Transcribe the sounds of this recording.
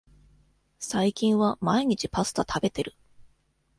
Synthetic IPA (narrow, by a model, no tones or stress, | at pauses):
saikʲĩɰ̃βamaiɲ̟it͡ɕipasɨ̥t̪at̪ʰabe̞t̪e̞ɾɯ̟